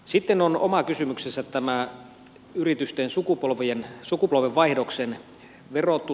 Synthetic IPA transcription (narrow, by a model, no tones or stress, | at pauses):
sit̪ːenonomɑkysymyksesæt̪tːæmæ | yrit̪yst̪ensukupolʋiensukupolʋeʋʋɑihdoksen | ʋerot̪ːu